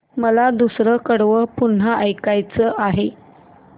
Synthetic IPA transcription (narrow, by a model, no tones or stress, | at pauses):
məlad̪usɾəkəɽʋəpun̤aʔəjkajt͡səʔaɦe